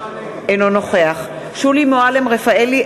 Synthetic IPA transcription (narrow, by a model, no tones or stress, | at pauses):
enono̞χe̞aχ | ʃulimoalemʁefaeli